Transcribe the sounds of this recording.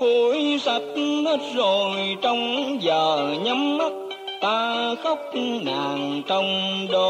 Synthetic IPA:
fu˧˦jsə˨˩t̚he˦˥t̚zo˨˩jt͡ɕɔ˧wŋ͡mzəː˨˩ɲə˨˦mːə˦˥t̚ | t̪aː˧xɔ˦˥wk͡p̚naː˨˩ŋt͡ɕɔ˧wŋ͡mɗo˧˩

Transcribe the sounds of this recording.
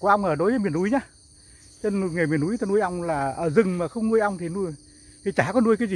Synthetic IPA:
kʔa˧wŋ͡mʔəː˧˩ɗo˨˦jvəː˨˦jmi˧˨˩ənʔu˨˦jɲaː˧ | t͡ɕe˧n˧ŋa˨˩mi˨˩ənʔu˨˦jt̪ʰːnu˧əjʔa˧wŋ͡mlaː˨˩ʔəː˧˩zɨ˨˩ŋmaː˨˩xə˧wŋ͡mŋu˧əjʔa˧wŋ͡mt̪ʰi˨˩nu˧əj | t̪ʰi˨˩t͡ɕaː˧˩kɔ˨˦nu˧əkaː˨˦jzi˨˩

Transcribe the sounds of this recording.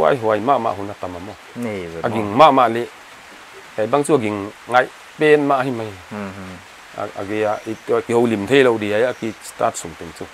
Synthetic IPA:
a̰˧˦jɦo˨a˨jma˧˦ʔma̰˧ʔɦu˨˦na˧t̪a˨ma˨mɔ˧˨a˨ɡi˨ŋma˦ʔma˧ʔlɛ˦ | ka˨jba˦ŋt͡su˦a˨ɡi˨ŋŋa˧˦j | pɛ˦nma˧ʔhi˦ma˨j | a̰˨ɡe˧a˧ʔi˧tki˧ho˧wli˨mt̪ʰe˦lo˧wde˨a˨ja˦ki˧sta˧t̚su˨ŋt̪i˨ŋt͡su˧

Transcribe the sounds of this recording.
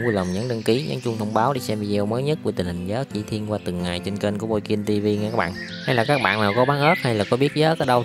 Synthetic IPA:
u˧jlə˨˩ŋ͡mɲə˨˦nɗə˧ŋki˨˦ɲə̰˧˦nt͡ɕʊ˧ŋ͡mt̪ʰwŋ͡mɓaː˨˦wɗi˧˩sɛ˧mvi˧zi˧ə˧wməː˨˦jɲə˦˥t̚vi˧˩t̪i˨˩ŋ̟hï˨˩ŋ̟zəː˨˦˥t͡ɕḭ˧˩t̪ʰi˧ənkwaː˧t̪ɨ˨˩ŋːaː˨˩jt͡ɕe˧nke˧nku˧˩mo˧jki˧nt̪i˧vi˧ŋɛ˧˩kaː˦˥ɓ̰aː˧˨ | ha˧jlaː˨˩kaː˦˥k̚ɓa̰ː˧˨naː˨˩wkɔ˨˦ɓaː˨˦nʔəː˦˥t̚ha˧jlaː˨˩kɔ˨˦ɓi˦˥ət̚zə̰ː˨˦˥kaː˨˥ɗə˧w

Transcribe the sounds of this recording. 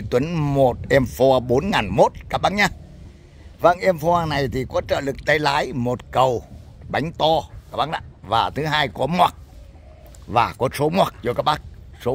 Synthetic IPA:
t̪wə˨˦nmo˨˩t̚ʔɛ˧mfɔ˧ɓo˨˦nŋaː˨˩nmo˦˥t̚kaː˦˥k̚ɓa˦˥k̚ɲaː˧ | va̰ː˧˨ŋʔɛ˧mfɔ˧aː˧na˨˩jt̪ʰi˨˩kɔ˨˦t͡ɕə̰ː˧˨lɨ˨˩k̚t̪a˧jlaː˨˦jmo˨˩t̚kə˨˩wɓa˨˦jŋ̟t̪ɔ˧kaː˦˥k̚ɓaː˦˥k̚ɗa̰ː˧˨vaː˨˩t̪ʰɨ˨˦ɦaː˧jkɔ˨˦mwaː˨˩t̚ | vaː˨˩kɔ˨˦so˨˦mwaː˨˩k̚t͡ɕɔ˧kaː˦˥k̚ɓa˦˥k̚so˨˦

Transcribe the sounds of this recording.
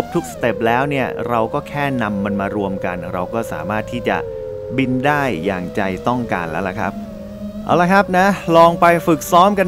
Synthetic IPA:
p̚t̪ʰu˦˥k̚sḁ˧t̪e˨˩p̚lɛː˦˥wni˥˩ɐɾa˧wkɔː˥˩kʰɛː˥˩na˧mːa˧nmaː˧ɾu˧əmka˧nɾa˧wkɔː˥˩sa̰ː˩˦maː˥˩t̪ʰːiː˥˩t͡ɕa̰˨˩ | bi˧ndaː˥˩jːa̰ː˨˩ŋt͡ɕa˧jt̪ɔ˥˩ŋkaː˧nlɛː˦˥wla˨˧˩kʰɾa̰˦˥p̚ | ʔa̰ː˨˩wla˧˥kʰa˦˥p̚na˦˥lɔː˧ŋpa˧jfɯ˨˩k̚sɔː˦˥mka˧n

